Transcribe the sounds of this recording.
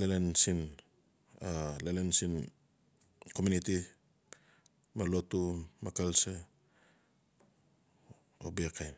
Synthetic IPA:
lelensin | alelensin | ko̞muniti | malotumakalsa | obekajn

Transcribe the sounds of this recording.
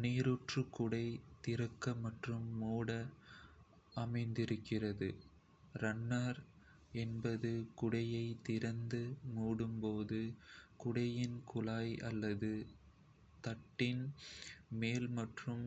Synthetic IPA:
neːɾuʈrɯkʊɽɐɪt̪ɪɾɐkːɐmɐʈrɯmːuːɽɐ | ɐmɐɪnd̪ɪɾɯkːɪrɐðɯ | ɾɐnːaɾ | ɛnbɐðɯkʊɽɐjɐɪt̪ɪɾɐnd̪ɯmuːɽɯmpoːðɯkʊɽɐjɪnkʊlaːjɐlːɐðɯ | t̪ɐʈːɪn | meːlmɐʈrɯm

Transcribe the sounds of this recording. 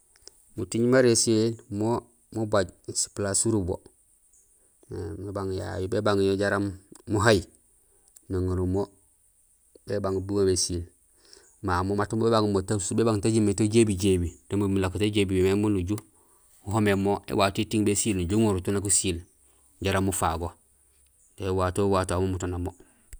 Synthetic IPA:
mutiɲmaɾesielmo | mubaɟsi̥plasuɾubo̰ | ŋibaŋja̰jobebaŋjoɟaɾamːuɦaji | noŋuɾumo | bebaŋbuwomesil | mamomatumbebaŋmotasubebaŋtaɟimetoɟebiɟebidemumulakutoɟebibememunuɟu | huɦomemoḛwaːtitiŋbesilnuɟuŋuɾutunakusil | ɟaɾamːufaɡo | tewaːtowatamomutonamo

